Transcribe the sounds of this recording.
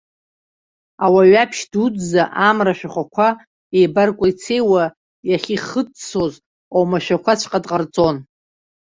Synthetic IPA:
awaɥapʰʃdudzaʔamraʃᶣaχʷakʷʰa | ejbarkʷʼait͡sʰe̞jwa | jaχʲiχət͡sso̞z | owmaʃᶣakʷʰat͡ɕʷʰqʼadʼqʼart͡sʼo̞n

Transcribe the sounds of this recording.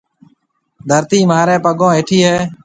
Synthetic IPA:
d̪ʱəɾt̪iːmaːɾẽːpəɡõːeːʈʰiːɦeː

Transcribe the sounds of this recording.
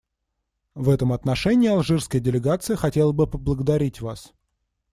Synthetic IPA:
vɛt̪əmɐt̪nɐʂɛnʲɪːɐlˠʐɨrskəjədʲɪlʲɪɡat̪sɨjəxɐtʲe̞lˠəbɨpəblˠəɡəd̪ɐɾʲitʲvas

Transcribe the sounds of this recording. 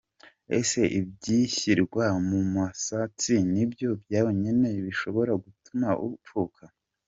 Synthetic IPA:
ese̞ʔibɟiçiɾɡwamumasat͡sinibjo̞bjaːjoɲene̞βiʃo̞βo̞ɾaɡutumaʔṵp͡fukʰa

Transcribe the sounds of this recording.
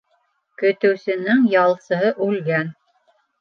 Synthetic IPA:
kɵ̆t̪ɘ̆wsɘ̆nɘŋjɑlˠsɤ̆ɦɤʔʉlɡæn

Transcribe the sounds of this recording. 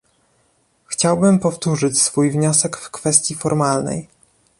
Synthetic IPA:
xt͡ɕawbɘmpɔft̪uʐɘt͡ɕsfujvɲɔsɛkfkfɛst̪ʲjifɔɾmalnɛ̰j

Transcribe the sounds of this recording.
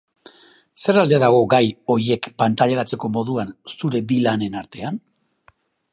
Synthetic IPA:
se̞ɾald̪eðaɣ̞o̞ɡajo̞ɾje̞kpant̪aʎaɾat͡se̞ko̞mo̞ðuansuɾe̞bilane̞naɾt̪e̞an

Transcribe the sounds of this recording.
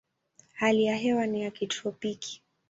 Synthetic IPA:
halijaɦɛwanijakitɔpikʰi̥

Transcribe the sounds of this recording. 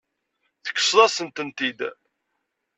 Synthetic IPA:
θə̥kːə̥sˤðˤɑsənt̪ənt̪id̪

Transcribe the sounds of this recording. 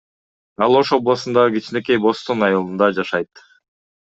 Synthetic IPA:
ɑlˠo̞ʃo̞blˠɑsɯnd̪ɑʁɯɡit͡ʃneke̞jbo̞st̪onɑjɑlˠɯnd̪ɑd͡ʒɑʃɑjt̪

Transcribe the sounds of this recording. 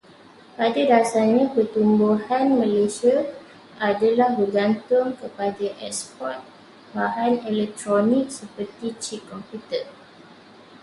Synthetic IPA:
padadasaɲãpərt̪umbuhanmə̃lesia | ʔadalahbərɡant̪ʊŋkəpadaʔɛkspɔt̪̚ | baɦanɛlɛk̚t̪ɾonik̚səpərt̪it͡ʃikɔmpjut̪ə

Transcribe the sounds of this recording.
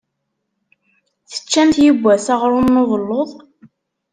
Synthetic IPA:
θə̥t͡ʃːænt̪jəɡʷːæsɑʁɾˤʊnːoðˤəlːoðˤ

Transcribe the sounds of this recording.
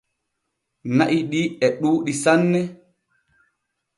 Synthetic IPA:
naʔiɗiɛɗuːɗisanːɛ

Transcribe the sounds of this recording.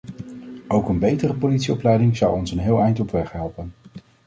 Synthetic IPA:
owkənbejtərəpowlitsiɔplɛjdɪŋzʌwɔnsənɦɪːlˠɛjntɔpʋɛχɦɛlˠpən

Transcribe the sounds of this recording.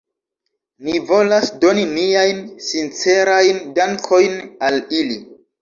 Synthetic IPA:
nivo̞lasdo̞nimiajnsint͡se̞ɾajndaŋkʰo̞jnalili

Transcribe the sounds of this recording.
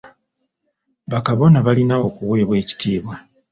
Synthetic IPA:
βakaβo̞naβalinao̞kuwe̞ːβwe̞ːci̥tʰiːβwa

